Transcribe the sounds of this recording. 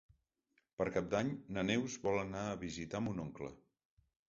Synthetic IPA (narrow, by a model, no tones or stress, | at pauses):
pəɾkap̚d̪aɲnənɛwzβɔlənaəβizit̪amunoŋklə̰